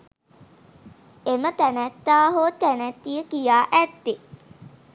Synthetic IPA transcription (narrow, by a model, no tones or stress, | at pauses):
emət̪ænæt̪ːaːɦot̪ænæt̪ːijəkijaːʔæt̪ːe